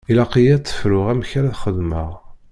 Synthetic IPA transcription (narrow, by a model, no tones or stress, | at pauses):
ilaqijæt͡sːə̥fɾʊʁæmçaɾæθχəðməʁ